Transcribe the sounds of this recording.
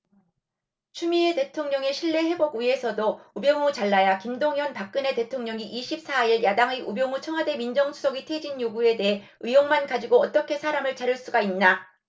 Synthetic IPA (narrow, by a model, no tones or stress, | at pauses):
t͡ɕʰumie̞te̞tʰoŋɲʌŋe̞ɕʰiɭːe̞ɦe̞boɡie̞sʰʌdoubjʌŋut͡ɕaɭːajakimdoŋjʌnpak̚k͈ɯne̞te̞tʰoŋɲʌŋiʔiɕʰip̚s͈aiɭjadaŋeubjʌŋut͡ɕʰʌŋɦwade̞mind͡ʑʌŋsʰu̥sʰʌɡitʰe̞d͡ʑinjoɡue̞de̞ɦe | ɯjoŋmankad͡ʑiɡoʌt͈ʌkʰe̞sʰaɾamɯɭt͡ɕaɾuɭs͈uɡainːa